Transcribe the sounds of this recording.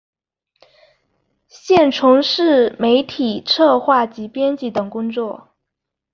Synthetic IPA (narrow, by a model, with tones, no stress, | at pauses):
ɕjɛ˥˩nʈ͡ʂʰʊ˧˥ŋʂɻ̩˥˩me˧˥ɪt̪ʰi˨˩ʈ͡ʂʰɤ˥˧xwa˥˩t͡ɕi˧˥pjɛ˥nt͡ɕi˥˩t̪ɤ˨˩ŋkʊ˥ŋt͡swɔ˥˩